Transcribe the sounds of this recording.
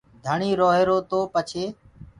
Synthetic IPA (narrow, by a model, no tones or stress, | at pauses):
d̪ʱəɳiːɾoːɦeːɾoːt̪oːpət͡ʃʰeː